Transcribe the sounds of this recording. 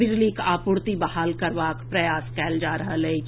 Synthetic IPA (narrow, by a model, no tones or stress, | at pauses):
ɪd͡ʒlikaːpʊɾt̪ibɐɦaːlkɐɾʋaːkpɾɐjaːskɛːld͡ʒaːɾɐɦlɐi